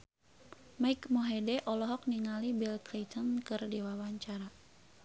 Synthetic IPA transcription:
maikmɔɦedɛʔɔlɔɦɔk̚niŋalibilklit̪ʰənkɨrdiwawaɲt͡ʃaɾa

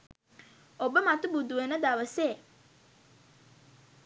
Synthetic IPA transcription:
obəmat̪ubud̪uʋenəd̪aʋəseː

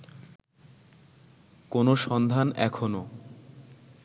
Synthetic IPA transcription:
konoʃɔnd̪ʱanɛkʰono

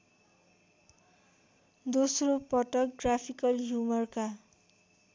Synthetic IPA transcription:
d̪osropʌʈʌk̚ɡrapʰikʌlɦjumʌrka

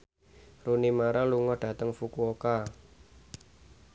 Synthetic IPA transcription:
runimaɾaluŋɔhɖ̥ä̤t̪əŋfukuoka

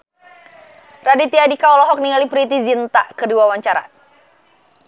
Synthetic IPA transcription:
radit̪iadikaɔlɔɦɔk̚niŋalipɾit̪izint̪akədiwawaɲt͡ʃaɾa̰

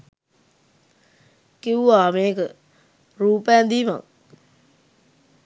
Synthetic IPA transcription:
kiwuaːmeːkə | ɾuːpɛːnd̪iːʋa̰ŋ

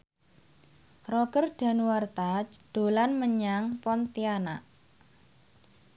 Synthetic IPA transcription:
rɔɡ̥ərɖ̥a̤nuwart̪ad͡ʒd̪̥o̤lanməɲaŋpɔnt̪ianaʔ

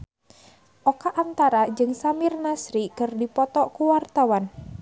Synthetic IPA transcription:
ʔɔkaʔant̪aɾad͡ʒɨŋsamɪrnasɾikɨrdipɔt̪ɔkuwart̪awan

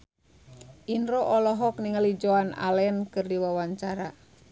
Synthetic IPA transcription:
ʔinɾɔʔɔlɔɦɔkniŋəlid͡ʒoana̰lɛnkɨrdiwawaɲt͡ʃaɾa

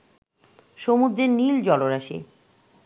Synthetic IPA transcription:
ʃomud̪ɾeɾnild͡ʑɔloɾaʃḭ

